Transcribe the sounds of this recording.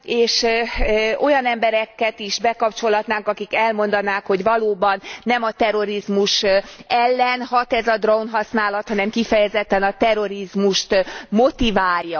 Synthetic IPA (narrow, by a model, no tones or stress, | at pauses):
eːʃ | o̞jɒnɛmbɛɾɛkːɛt̪iʃbɛkɒpt͡ʃo̞lɦɒt̪naːŋkɒkikɛlmo̞n̪d̪ɒnaːkho̞ɟvɒloːbɒnːɛmɒt̪ɛro̞ɾizmuʃɛlːɛnhɒt̪ɛzɒd̪rounɦɒsnaːlɒt̪hɒnɛmkifɛjɛzɛt̪ːɛnɒt̪ɛro̞ɾizmuʃt̪mo̞t̪ivaːljːɒ